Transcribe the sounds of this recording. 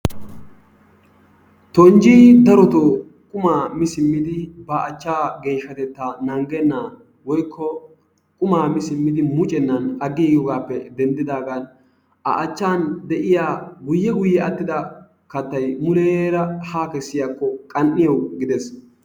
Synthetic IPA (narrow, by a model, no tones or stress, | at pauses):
t̪ɔnd͡ʒiːd̪ɐɾɔt̪oː | kʼʊmaːmɪsɪmːɪd̪ɪbɐɐt͡ʃːaːɡe̞ːʃːɐt̪ɛt̪ːaːnɐŋɡɛnːaː | wɔjkʰːɔ | kʼʊmaːmɪsɪmːɪd̪ɪmʊt͡ʃʼɛnːɐnɐɡːiːɡɔɡaːpːɛd̪ɛnd̪ɪd̪aːɡan | ʔɐ̰ʔɐt͡ʃːaːnd̪ɛʔɪjaːɡʊjːɛɡʊjːɛɐt̪ːɪd̪ɐ | kɐt̪ːɐjmʊleːɾɐhaːkɛsːɪjaːkːɔkʼɐnːɪjɐwɡɪd̪ɛs